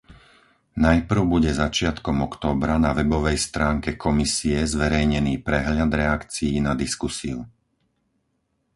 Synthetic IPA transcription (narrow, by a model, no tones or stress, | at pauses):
najpr̩ʊbuɟɛzat͡ʃɪat̪kɔmɔkt̪ɔːbɾanaʋɛbɔʋɛjst̪ɾaːŋkɛkʰɔmisiɛzʋɛɾɛjɲɛniːpɾɛɦʎad̪ɾɛakt͡sijːnad̪iskusiu